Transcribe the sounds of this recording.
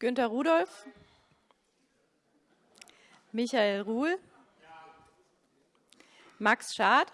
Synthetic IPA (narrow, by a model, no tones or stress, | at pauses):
ɡ̥ʏntɐʁuːɾɔlf | mɪçaeːlʁuːl | maksʃaɐt